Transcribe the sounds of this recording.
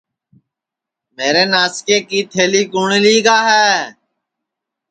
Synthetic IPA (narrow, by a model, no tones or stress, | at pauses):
meːɾeːnaːskeːkiːt̪ʰeːliːkuːɳiːliːɡaːɦɛː